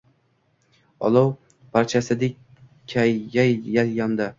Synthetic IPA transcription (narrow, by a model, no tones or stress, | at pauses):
ɒ̰lˠɒw | pʰaɾt͡ʃʰasɪd̪ek̚ʲ | kʲʰajɡʲajaljamd̪a